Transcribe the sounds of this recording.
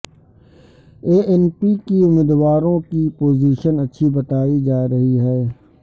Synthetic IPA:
eːʔɛnpikiʊmiːd̪ʋaːɾõkipoːziːʃənɐtːʃʰibɐt̪aːid͡ʒaːɾɐɦiɦɛː

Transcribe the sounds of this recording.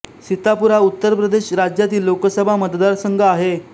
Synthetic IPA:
sit̪apuɾaut̪ːəɾpɾəd̪eɕɾad͡ʑjat̪iːlːokəsəbʱamət̪d̪aɾsəŋɡʱəaɦe

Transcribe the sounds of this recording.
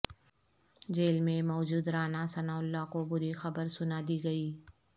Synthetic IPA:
d͡ʒeːlmẽmɔːd͡ʒuːd̪ɾaːnasɐnaːʊlːakobʊɾixɐbəɾsʊnad̪iːɡɐiː

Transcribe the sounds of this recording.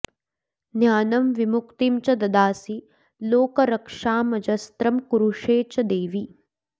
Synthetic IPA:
njaːnɐmʋimukt̪imt͡ʃɐd̪ɐd̪aːsi | loːkɐɾɐkʂaːmɐd͡ʒɐst̪ɾɐmkuɾuʂeːt͡ʃɐd̪eːʋi

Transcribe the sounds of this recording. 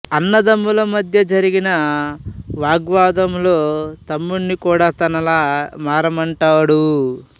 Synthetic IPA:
ɐnːɐd̪ɐmːulɐmɐd̪ʱjɐd͡ʒɐɾiɡinɐ | ʋaːɡʋaːd̪ɐmlo̞ːt̪ɐmːuɳːikuːɽaːt̪ɐnɐlaːmaːɾɐmɐɳʈaːɽu

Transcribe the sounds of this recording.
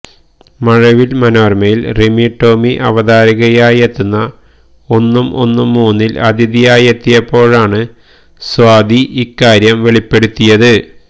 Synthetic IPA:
mɐɻɐʋilmɐnoːrmɐjilremiʈːo̞ːmiʔɐ̰ʋɐd̪aːɾiɣɐjaːjet̪ːunːɐ | o̞nːumʔo̞̰nːumːuːnːilɐd̪ʱiðijaːjet̪ːijɐpːo̞ːɻaːɳɨ | swaːd̪ʱiʔikːaːɾjɐmʋe̞ɭipːe̞ɽut̪ːijɐðɨ

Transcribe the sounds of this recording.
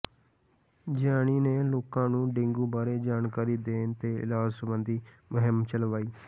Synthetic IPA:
d͡ʒaːɽ̃iːneːloːkãːnũːɖɪ̃ŋɡũːbaːɾeːd͡ʒaːnkaːɾiːd̪eːnt̪eːɪ̰laːd͡ʒsəbənd̪iː | mʊɦɪmt͡ʃəlʋaːiː

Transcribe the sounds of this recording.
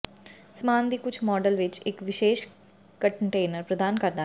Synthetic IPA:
smaːnd̪iːkʊt͡ʃʰmɔːɖəlʋɪt͡ʃɪkʋɪʃeːʃ | kəɳʈeːnəɾpɾəd̪aːnkəɾd̪aː

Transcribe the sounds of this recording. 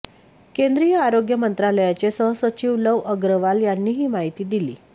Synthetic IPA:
kend̪ɾijəaɾoɡjəmənt̪ɾaləjat͡ɕesəɦəsət͡ɕiːʋləʋəɡɾəʋaljanːiːɦiːmaɦit̪iːd̪ilḭː

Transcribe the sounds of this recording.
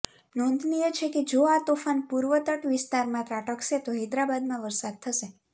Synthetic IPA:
nɔ̃nd̪ʱnijət͡ʃʰeked͡ʒoat̪ofanpuɾʋət̪əʈʋɪst̪aɾmãt̪ɾaʈəkʃet̪oɦid̪ɾabad̪̚mãʋəɾsad̪̚t̪ʰəʃe

